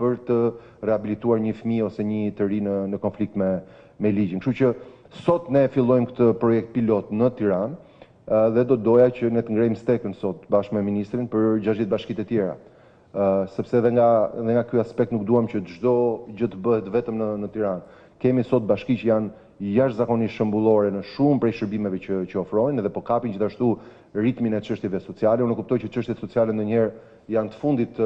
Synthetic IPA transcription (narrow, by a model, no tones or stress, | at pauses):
pəɾt̪ə | rɛabilit̪uaɾɲəfəmiɔsɛɲət̪əɾinənəkɔnflik̚t̪mɛ | mɛlid͡ʑinkʃut͡ʃə | sɔt̪nɛfilˠɔjmkə̥t̪əpɾɔjɛk̚t̪̚pilɔt̪nət̪iɾan | ðɛd̪ɔd̪ɔjat͡ɕənɛt̪əŋɡɾɛjmst̪ɛkənsɔt̪̚baʃkmɛminist̪ɾinpəɾd͡ʒaʒðɛt̪baʃkit̪ɛt̪jɛɾa̰ | sɛpsɛðɛŋɡaðɛŋɡakyaspɛk̚t̪nuk̚d̪uhamt͡ɕət̪əʒd̪ɔd͡ʑət̪əbəhɛt̪vɛt̪əmnənət̪iɾan | kɛmisɔt̪̚baʃkit͡ʃəjan | jaʃt̪zakɔniʃəmbulˠɔɾɛnəʃumpɾɛjʃəɾbimɛvɛt͡ɕət͡ɕəɔfɾɔinɛðɛpɔkapind͡ʒiθaʃt̪u | rit̪minɛt͡ʃəʃt̪jɛvɛsɔt͡sialɛunɛkup̚t̪ɔjt͡ʃət͡ʃəʃt̪jɛt̪sɔt͡sialɛnd̪ɔɲɛɾ | jant̪ə̥fund̪it̪